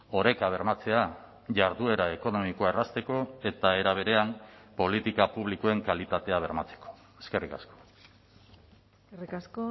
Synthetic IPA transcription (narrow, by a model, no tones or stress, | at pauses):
o̞ɾe̞kaβ̞e̞ɾmat͡se̞a | ʝaɾðue̞ɾae̞ko̞no̞mikoaerast̪e̞ko̞e̞t̪ae̞ɾaβ̞e̞ɾe̞ampo̞lit̪ikapuβlikoe̞ŋkalit̪at̪e̞aβ̞e̞ɾmat͡se̥ko̥ | eske̞rika̰sko̥ | erikasko